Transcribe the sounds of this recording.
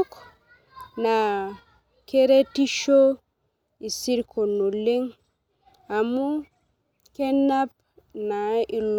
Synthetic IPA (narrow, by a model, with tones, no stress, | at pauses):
k | na˨ | ke˦ɾe˦ti˦ʃo˦ | i˨si˦ɾkʰo˨nu˨le˦ŋ | a˨mu˦ | ke˦na˦p̚ | na˨i˨l